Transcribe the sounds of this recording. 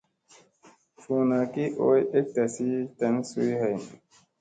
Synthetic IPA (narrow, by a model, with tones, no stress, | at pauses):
fu˨na˨ki˦ʔo˦je˦k̚ta˨si˦ta˨˦nsu˦jha˨jn˨